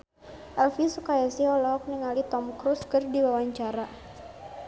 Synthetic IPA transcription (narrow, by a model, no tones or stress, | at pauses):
ʔɛlfisukajasiɔlɔɦɔk̚niŋalit̪ɔmkɾuskərdiwawaɲt͡ʃaɾa